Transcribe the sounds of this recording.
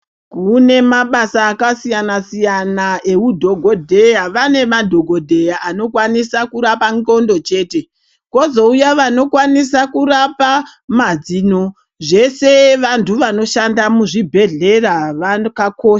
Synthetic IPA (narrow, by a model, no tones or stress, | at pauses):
kune̞maɓasaːkasijanasijanaʔe̞udʱo̞ɡʱo̞dʱe̞jaʋane̞madʱo̞ɡʱo̞dʱe̞jaʔano̞kwanisakuɾapanɡo̞ndo̞t͡ʃe̞ːte̞ | kwo̞zo̞ujaʋano̞kwanisakurapamad͡zino̞ | ʐe̞se̞ʋantʰuʋano̞ʃandamuʐibʱe̞ɮe̞raʋakakoːʃa